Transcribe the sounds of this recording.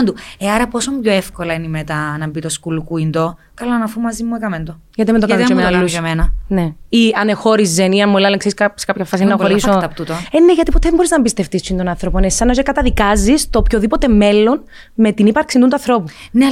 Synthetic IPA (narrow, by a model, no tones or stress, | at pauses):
nd̪ueɐɾɐpo̞sombçoefkolɐinimet̪ɐnɐmbit̪o̞skulukuind̪o | kɐlɐnɐfumːɐzimːuekɐmend̪o | ʝɐt̪imend̪oɐmlluɐmenɐneiɐnexo̞ɾizːeniɐmːolɐlekseɾisksekɐapçɐfɐsinɐxoɾisoɐpt̪ut̪oeneʝɐt̪ipot̪eðembo̞ɾiznɐbist̪e̞ft̪isuind̪onɐnθɾo̞ponessɐnɐos̬ekɐt̪ɐðikɐzist̪opçoðipo̞t̪e̞me̞lːo̞n | me̞t̪inipɐɾksind̪unt̪uɐnθɾo̞pu | ne